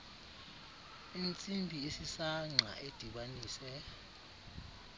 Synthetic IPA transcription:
int͡sʼimbʱiesisaŋ͡ǁʱa̰ʔed̥ʱiɓaniːsɛ

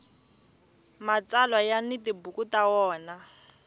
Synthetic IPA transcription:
mat͡salwajanɪtibukutawɔːna

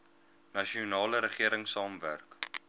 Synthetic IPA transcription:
nɐʃiunɑːləɾəχiəɾəŋsɑːmvæ̰rk

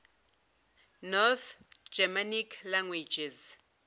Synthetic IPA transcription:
nɔθd͡ʒɛmanikʰlaŋɡwid͡ʒɛz

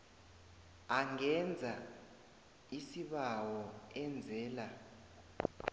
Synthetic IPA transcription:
aŋɛnd͡zʱa | isiɓawɔɛnd͡zʱɛːla

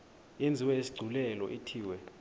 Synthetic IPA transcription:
jend͡zʱiwɛesi̥ɡ͡ǀʱulɛlɔ̰ʔitʰiːwɛ

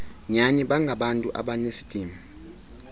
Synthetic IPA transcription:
ɲaniɓaŋɡʱaɓantʼuʔa̰ɓanesi̥d̥ʼiːmi

